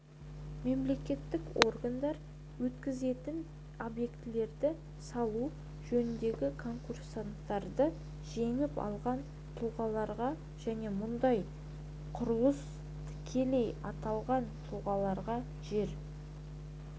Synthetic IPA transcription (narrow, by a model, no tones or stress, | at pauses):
me̞mle̞kʲe̞t̪ːɪko̞rɡand̪ɑɾ | wɵt̪kʲɪze̞t̪ɪn | o̞bje̞kt̪ɪle̞ɾd̪ɪ | sɑlˠu | ʒɵnɪnd̪e̞ɡʲɪkʰo̞ŋkursant̪ːɑɾd̪ə | ʒe̞ŋɪpɑ̰lˠʁɑn | t̪ʰuʁɑlˠɑɾʁɑ | ʒ̥æne̞mʊnd̪ɑj | qʰʊɾlˠəs | t̪ʰɪ̥kʲʰe̞le̞jɑt̪ɑlˠʁɑnt̪ʰuʁɑlˠɑɾʁɑ | ʒe̞ɾ